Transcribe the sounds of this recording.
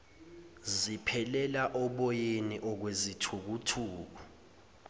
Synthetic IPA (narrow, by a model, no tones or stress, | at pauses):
zipʰɛlɛlaʔɔɓɔjeniʔɔk̬wezitʰuk̬utʰuːk̬u